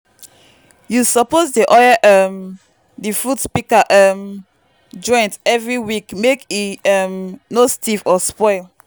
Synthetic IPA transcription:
jusɔposdiʔɔjaʔɛm | difudspikaʔɛm | d͡ʒɔ̃j̃ntɛvɹiwikmekiɛmnostifɔspɔɪl

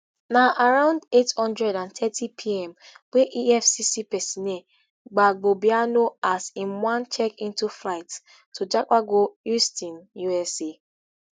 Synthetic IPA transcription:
naʔaɹãʊ̃ndethɔ̃ndɹɛdãntʰɛtʰipʰiɛ̃mweʔiɛfsisipɛsĩne | ɡ͡baɡ͡bobianoasĩnwãnt͡ʃɛkĩntuflaɪtːʰ | ud͡ʒakaɡoustĩnjuɛsi

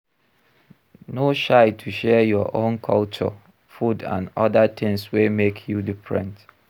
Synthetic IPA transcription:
noʃaɪtʰuʃɛjɔʔõnkʰɔlt͡ʃɔ̰ | fudã̰nɔdatʰɪ̃ŋswemekʰjudifɹɛ̰̃nt

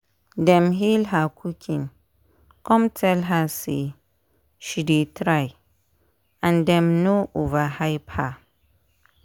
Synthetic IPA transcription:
dɛ̃mɦilɦakʰukʰĩn | kʰɔ̃mtʰɛlɦasḛ | ʃidetʰɾaj | ãndɛ̃mnoʔovahaɪpha

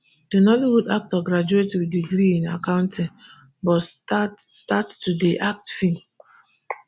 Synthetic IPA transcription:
d̥enɔliwudak̚tɔɡɹad͡ʒuetwidiɡɾiĩnakãʊ̃ntʰĩn | bɔttatstattudeʔak̚tfĩn

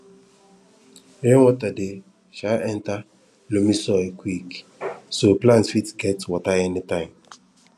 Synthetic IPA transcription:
ẽwɔtade | ʃaɛ̃nta | lomisɔkwik | soplãnsfitɡɛtwɔtaɛnitãɪ̃m

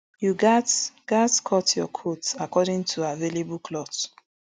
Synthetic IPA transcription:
juɡatɡ̥atkʰɔtjɔkʰotakɔdɪ̃ŋtʰuavelebuklɔt

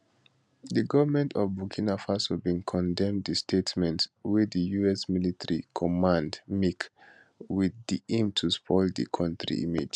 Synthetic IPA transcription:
ðəɡɔvəmɛ̃ntʰɔvbukʰinafasɔbĩnkʰɔ̃ndɛ̃mddɨstʰetmɛ̃ntwidəjuɛsmilitʰəɹikʰɔmãndmik | wiðdiʔĩmtʰuspʰɔɪldə̰kʰɔ̃ntɹḭʔḭmḭd͡ʒ

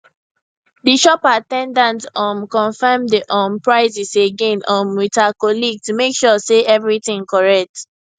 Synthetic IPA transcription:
diʃɔpatɛ̃ndãntɔ̃nkɔ̃nfɛmdiʔɔ̃npɹaɪziseɡẽnɔ̃nwitakɔlik̚tumekʃɔseʔɛvɹitĩŋkɔɹɛk̚t

